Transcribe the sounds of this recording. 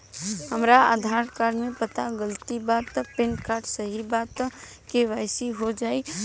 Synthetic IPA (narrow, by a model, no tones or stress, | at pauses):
həmɾaə̰d̪ʱaːɾkaːɾmẽpət̪aɡəlt̪ibaːt̪pẽnɖkaːɾʈsəɦibaːt̪keʋaːɪsiɦod͡ʒaːi